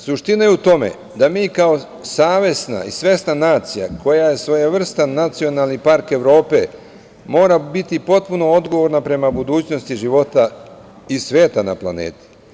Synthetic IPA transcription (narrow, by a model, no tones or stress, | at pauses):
suʃt̪inajeut̪o̞me̞̰ | d̪amiːkao̞ | saːʋje̞sna̰ḭsʋe̞snanaːt̪sija̰kʰo̞jaje̞sʋo̞jaʋr̩st̪anːat̪sio̞nalnipaɾke̞ʋɾo̞ːpe̞ | mo̞ːɾabit̪ipo̞t̪̚puno̞od̪ɡo̞ʋo̞ɾnapɾe̞mabud̪uːt͡ɕno̞st̪iʒiʋo̞t̪a | isʋje̞ːt̪ana̰plˠa̰nḛːt̪i̥